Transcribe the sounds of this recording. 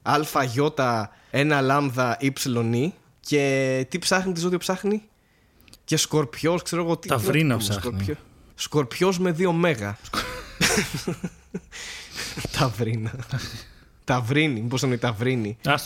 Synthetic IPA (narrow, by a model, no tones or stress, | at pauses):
ɐlfɐʝo̞t̪ɐ | e̞nɐlɐmðɐʔipsilo̞ni | ce̞t̪ipsɐxnit̪̬izoðiopsɐxni | ce̞sko̞ɾpço̞skse̞ɾoɣot̪it̪ɐɾinɐssɐoɾço | sko̞ɾpço̞zme̞ðio̞me̞ɣɐ | t̪ʰɐvɾinɐ | t̪ɐvɾinimiposonit̪ɐvɾini